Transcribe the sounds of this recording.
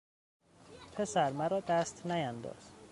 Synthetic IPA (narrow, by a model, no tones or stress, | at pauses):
pʰe̞sæɾmæɾɒːd̪æst̪næjænd̪ɒ̰ːz̥